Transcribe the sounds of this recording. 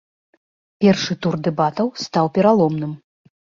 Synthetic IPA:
pʲɛrʂɨt̪urd̪ɛbat̪ɐwst̪awpʲɛɾalˠɔmnɨm

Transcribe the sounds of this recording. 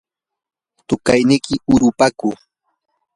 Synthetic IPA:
t̪ʊkajnɪkɪʊɾʊpaku

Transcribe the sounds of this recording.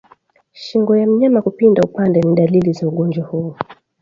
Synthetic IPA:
ʃiŋɡɔjam̩ɲamakupindaupandɛniɗalilizauɠɔnd͡ʒwahuː

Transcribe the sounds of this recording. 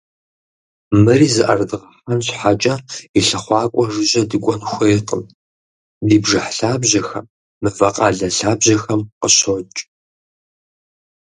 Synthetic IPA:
mɨriːzɨʔɐ̰rdɨʁɐħanɕħat͡ʃʼɐiɬɐχʷɑːkʷʼɔʐɨʑɐdɨkʷʼɔnxʷɐɛqʼəm | diːbʐɨħɬaːbʑɐxɐmː | ɨvɐqʼɑːɮɐɬaːbʑɐxɐmqəɕot͡ʃʼ

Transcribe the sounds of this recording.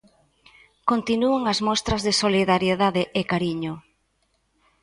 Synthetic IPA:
kont̪inuaŋɐzmɔst̪ɾɐzðɪsoliðaɾjeðaðeʔekaɾiɲʊ

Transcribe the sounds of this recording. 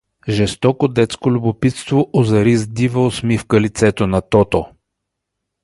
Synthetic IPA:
ʒɛst̪ɔkod̪ɛt̪skolʲʊbopit̪st̪voʔozɐɾizd̪ivəosmifkəlit̪sɛt̪onɐt̪ɔt̪o

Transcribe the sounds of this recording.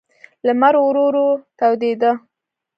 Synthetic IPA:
lamaɾowɾoɾot̪awd̪ed̪ə

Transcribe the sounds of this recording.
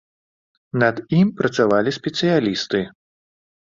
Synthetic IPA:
nɐd̪impɾɐt̪savalʲisʲpʲɛt̪sɨjalʲist̪ɨ

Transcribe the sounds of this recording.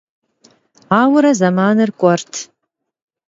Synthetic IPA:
aːwʊɾɐzɐmaːnɨrkʷʼɔrtʰ

